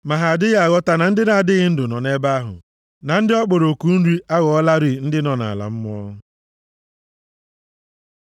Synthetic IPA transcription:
ma˨ɦa˨a˨dɪ˦ɣa˦a˨ɣɔ˦ta˨na˨n̩˦dɪ˦na˨a˨dɪ˦ɣɪ˦n̩˦dʊ˨nɔ˨ne˦ba˦a˦ɦʊ̰˨ | na˨n̩˦dɪ˦ɔ˦k͡po˨ɾo˨ku˨˦n̩˦ɾi˦ʔa˦ɣɔ˨ɔ˦la˦ɾi˨n̩˦dɪ˦nɔ˨na̰˨la̰˨m̩˦m˦ɔ̰˦

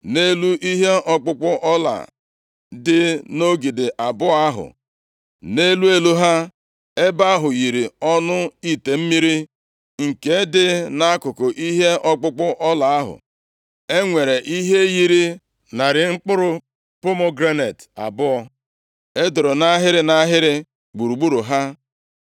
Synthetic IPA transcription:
ne˦lu˦i˦ɦe˦ʔɔ˦k͡pʊ˦k͡pʊ˦ʔɔ˦la̰˨ | dɪ˦no˦ɡi˨dɪ˨ʔa˨bʊ˦a˦ɦʊ̰˨ | ne˦lu˦e˦lu˦ɦa˦ | e˦ba˦a˦ɦʊ˨ji˨ɾi˨ɔ˦nʊ˦i˦te˨m̩˦mi˦ɾi˦ | ŋ̩˨ke˦dɪ˦na˦a˦kʊ˨kʊ˨ʔi˦ɦe˦ʔɔ˦ɡ͡bʊ˦k͡pʊ˦ʔɔ˦la˨a˦ɦʊ̰˨ | e˦ŋʷe˨ɾe˨ʔi˦ɦe˦ji˦ɾi˦ | na˨ɾɪ˨ŋ͡m̩˦k͡pʊ˦ɾʊ˦ | pʊ˦mʊ˦ɡɾe˦ne˨ta̰˨bʊ˦ɔ˦ | e˦dʊ˨ɾʊ˨na˦ɦɪ˦ɾɪ˦na˦ɦɪ˦ɾɪ˦ | ɡ͡bu˨ɾu˨ɡ͡bu˦ɾu˨ɦa˦

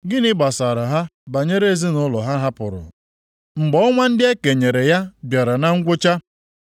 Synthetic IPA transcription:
ɡɪ˦nɪ˦ɡ͡ba˨sa˨ɾa˨ɦa˦ba˨ɲe˦ɾe˦e˨zi˦nʊ˦lɔ˨ɦa˦ɦa˦pʊ̰˨ɾʊ̰˨ | ŋ͡m̩˨ɡ͡bɔ˨˦ɔ˦ŋʷa˦n̩˦dɪ˦e˦ke˨ɲe˨ɾe˨ja˦bja˨ɾa˨na˦ŋ̩˦ɡʷʊ˦t͡ʃa˦

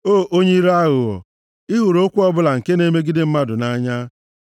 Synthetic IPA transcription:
o˦˨ʔo˦ɲe˦i˦ɾa˦ɣʊ˨ɣɔ̰˨ | i˦ɣu˨ɾo˦kʷu˦ɔ˦bʊ˦la˨ŋ̩˨ke˦ne˦me˦ɡi˦dɪ˦m̩˦ma˦dʊ˨na˦ɲa˦

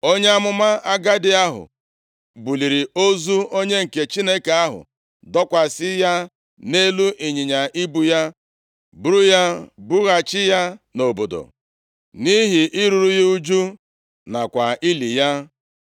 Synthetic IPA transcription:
o˦ɲe˦a˦mʊ˦ma˦a˦ɡa˦dɪ˦a˦ɦʊ̰˨ | bu˨li˨ɾi˨o˦zu˦o˦ɲe˦ŋ̩˨ke˨t͡ʃi˦ne˦ke˨a˦ɦʊ̰˨ | dɔ˦kʷa˨sɪ˦ja˦ | ne˦lu˦ʔi˨ɲi˨ɲa˨ʔi˦bu˦ja˦ | bu˨˦ɾu˦ja˦bu˦ɣa˨t͡ʃɪ˦ja˦no˨bo˨do̰˨ | ni˦ɦi˨ʔi˦ɾu˨ɾu˦ji˦u˦d͡ʒu˦ | na˨kʷa˨i˦li˨ja˦

